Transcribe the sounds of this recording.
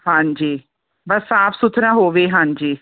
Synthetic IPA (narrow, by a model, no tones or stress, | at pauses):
hãːɲd͡ʒiː | bəsaːpʰsʊt̪ʰɾãːɦoːʋeːɦãːɲd͡ʒiː